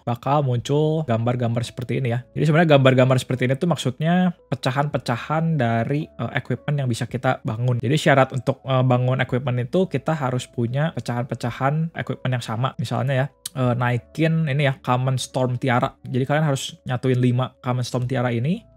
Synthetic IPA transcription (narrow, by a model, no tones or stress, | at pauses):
b̥akalmuɲt͡ʃʊlɡambarɡambarsə̥pərt̪iːnijad͡ʒadisəbənɲaɡambarɡambarsə̥pərt̪iːnit̪umaksut̪̚ɲapət͡ʃaɦanpət͡ʃahandaɾiə̰ʔekwip̪̚mənjaŋbisakit̪abaŋʊnd͡ʒadiʃiaɾat̪unt̪ʊk̚əbaŋʊnekwip̪̚mənit̪ukit̪aɦaɾʊspuɲapət͡ʃaɦanpət͡ʃahanḛkwɪt̪̚mənjaŋsama̰misa̰lɲajaʔəːnaikɪninijakamənst̪ɔrmt̪iaɾa̰d͡ʒadikalianɦaɾʊsɲat̪uɪnlimakamənst̪ɔrmt̪iaɾaini